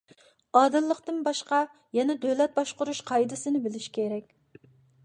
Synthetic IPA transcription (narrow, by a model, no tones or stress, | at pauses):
ɑːd̪ɨlˠːəqt̪ɨnbɑʃqɑ | jɛnɛd̪ølɛt̪̚bɑʃqʊɾuʃqʰɑjd̪ɪsɨnɪbɪlɪʃkʲʰeɾɛkʲ